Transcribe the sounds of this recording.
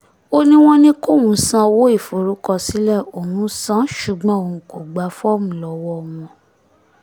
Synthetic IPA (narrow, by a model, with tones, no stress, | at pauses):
o˦nĩ˦w̃ɔ̃˦nĩ˦ko˦˨wũ˨˦sã˦wo˦i˦˨fo˨ɾu˨˦kɔ˦˨si˨˦lɛ˦˨o˨nũ˦sã˦ʃu˨ɡ͡bɔ̃˨˦o˨nũ˨ko˨ɡ͡ba˨˦fɔ˦mũ˨lɔ˨wɔ˦ɔ˧mɔ̃˧